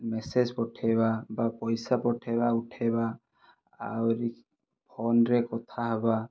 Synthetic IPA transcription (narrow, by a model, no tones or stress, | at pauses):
mɛsed͡ʒpɔʈʰɛbabapɔjsapɔʈʰɛbauʈʰɛba̰ː | wɾi | pʰɔnɾɛkɔt̪ʰaɦɔba